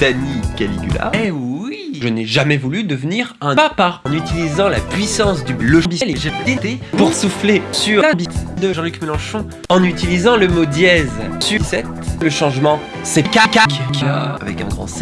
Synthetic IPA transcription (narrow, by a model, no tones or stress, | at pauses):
t̪anikalḭɡy̰la̰ɛiʒənɛʒamɛvulyd̪əvniʁɛ̃papãnyt̪ilizɑ̃lapɥisɑ̃sd̪yləʃbiɛleʒed̪it̪epuʁsuflesyʁɛ̃bit̪d̪əʒɑ̃lykmelɑ̃ʃɔ̃ | ɑ̃nyt̪ilizɑ̃ləmod̪jɛzsysɛt̪ləʃɑ̃ʒmɑ̃ | sɛkakakka̰vɛ̰kɛ̰̃ɡʁɑ̰̃sɛ